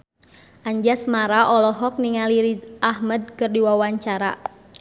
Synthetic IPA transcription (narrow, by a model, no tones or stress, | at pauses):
ʔaɲd͡ʒasmaɾaʔɔlɔɦɔk̚niŋaliɾiʔahməd̪̚kɨrdiwawaɲt͡ʃaɾa̰